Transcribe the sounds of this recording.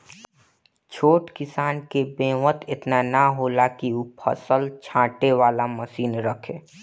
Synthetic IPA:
t͡ʃʰoːʈkɪsaːnkebẽːʋət̪ɪt̪nanaɦoːlakiupʰə̰səlt͡ʃʰãːʈeʋaːlaməsiːnɾəkʰẽː

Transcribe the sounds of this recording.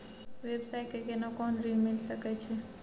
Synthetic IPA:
ʋebsajkekenɔkɔnɾimilsəkɛt͡ʃʰɛ

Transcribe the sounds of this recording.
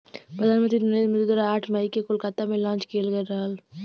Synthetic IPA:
pɾɐd̪ʱaːnmənt̪ɾinɐneːd͡ʒmẽd͡ʒ̪ud̪ɾaaːʈʰmɐikekoːlkaːt̪amẽlãːt͡ʃkʰeːlɡəɾaːl

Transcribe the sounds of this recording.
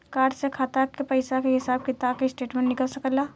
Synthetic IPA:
kaːɖsekʰaːt̪akːepəɪsakeɦɪsaːb̚kɪt̪aːkeɪsʈeːʈmẽnnːɪkəlsəkəlaː

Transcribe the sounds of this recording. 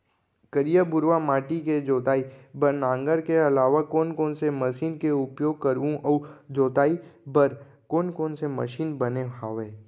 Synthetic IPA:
kəɾijəbʊɾʋamaːʈiked͡ʒoːt̪aːibəɾnãːŋɡəɾkeɐlaːʋakoːnkoːnseməʃiːnkeʊpjoːɡ̚kəɾũʔɔd͡ʒoːt̪aːibəɾ | koːnkoːnsemə̰ʃiːnbɐneaːʋeː

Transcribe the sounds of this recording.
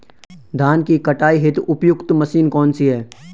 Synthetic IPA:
d̪ʱaːnkikɐʈaːiɦɪt̪ʊpjʊkt̪mɐsiːnkɔːnsiɦɛː

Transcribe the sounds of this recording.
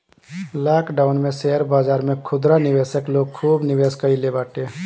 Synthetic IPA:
laːkɖaʊnmẽsɛəɾbaːd͡ʒaːɾmẽkʰʊd̪ɾanɪʋeːsəkloɡ̚kʰuːbniʋeːskəilebaːʈe

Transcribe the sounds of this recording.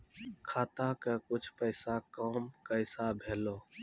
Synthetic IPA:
kʰaːt̪akekʊt͡ʃʰpəjsakɔːmkəɪsabʱeːloː

